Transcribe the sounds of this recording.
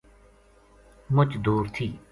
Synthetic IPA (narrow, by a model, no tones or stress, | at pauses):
mʊt͡ʃd̪uːɾt̪ʰiː